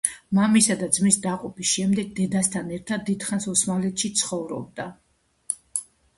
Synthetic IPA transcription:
mamisad̪ad̪zmisd̪aqʼɔpʰisʃɛmd̪ɛɡ̚d̪ɛd̪ast̪ʰanɛɾt̪ʰad̪̚ːid̪̥χansɔsmalɛt̪ʰʃit̪sʰχɔvɾɔ̰b̚d̪a

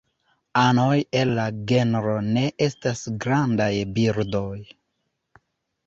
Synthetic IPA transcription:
ano̞je̞lːaɡe̞nɾo̞ne̞ʔe̞stasɡɾandajbiɾdo̞j

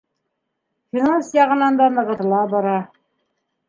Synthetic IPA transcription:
fʲinansjɑʁɤ̆nɑnd̪ɑnɤ̆ʁɤ̆ɾɤ̆lˠɑbɑɾɑ

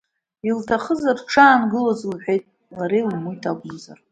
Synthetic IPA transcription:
iltʰaχəzarʈ͡ʂʰaːnɡɨlozlħʷᶣe̞jtʼ | laɾejlumujtʰaɡʷʊmza̰r

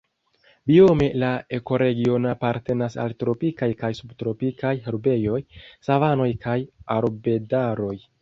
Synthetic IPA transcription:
biome̞lae̞ko̞ɾe̞ɡio̞napaɾte̞nasa̰ltɾo̞pikajkajsubtɾo̞pikajɦeɾbe̞jo̞jsavano̞jkʰajaɾbe̞daɾo̞j

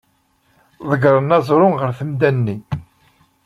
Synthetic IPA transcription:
ðˤəɡɾˤənɑzˤɾˤʊnʁəɾθəmd̪ænːi

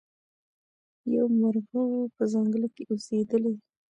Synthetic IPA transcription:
jawmaɾɣawopəzaŋɡəlikeʔosed̪əle

